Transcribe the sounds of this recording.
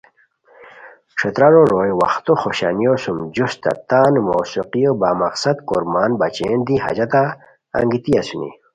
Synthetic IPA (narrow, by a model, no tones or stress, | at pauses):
ʂʰet̪ɾaɾoɾoːjwɐ̰xt̪oxoɕa̰nijosumd͡ʑust̪a̰t̪aːnmoːsuqijobaːmɐqsɐd̪koɾmaːnbat͡ɕeːnd̪iɦa̰d͡ʑɐt̪a̰ː | ŋɡit̪iasunḭ